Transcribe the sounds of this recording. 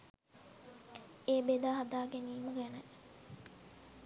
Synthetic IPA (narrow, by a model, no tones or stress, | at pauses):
eːbed̪aːɦad̪aːɡeniːmuɡenɐ